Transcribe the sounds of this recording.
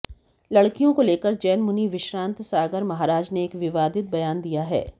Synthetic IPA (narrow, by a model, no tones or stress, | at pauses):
lɐɽkijõkoleːkəɾd͡ʒɛːnmʊniʋɪʃɾãːnt̪saːɡəɾmɐɦaːɾaːd͡ʒneːkʋɪʋaːd̪ɪt̪̚bɐjaːnd̪ijaɦɛ̰ː